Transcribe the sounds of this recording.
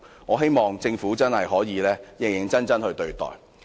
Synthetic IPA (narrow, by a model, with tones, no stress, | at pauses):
ŋɔː˨˧ɦe˥jmɔː˨˩ŋt͡sɪ˧ŋfuː˨˥t͡sɐ˥nhɐ˨jɦɔː˨˥jiː˨˧lɛː˥jɪ˨ŋjɪ˨ŋt͡sɐ˥nt͡sɐ˥nhɵ˧ɥt̪ɵ˧ɥt̪ɔ̰ː˨˩j